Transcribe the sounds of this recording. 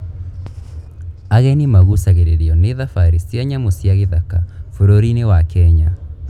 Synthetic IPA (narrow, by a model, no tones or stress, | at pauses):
aɣɛnimaɣusaɣeɾeɾeɔneðafaɾisiaɲamosjaɣeðakafoɾoɾinewakɛɲa